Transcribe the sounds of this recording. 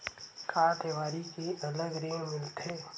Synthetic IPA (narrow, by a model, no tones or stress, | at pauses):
kʰaːɾt̪ʰeːʋaːɾikeʔɐləɡɾeːŋmɪlt̪ʰeː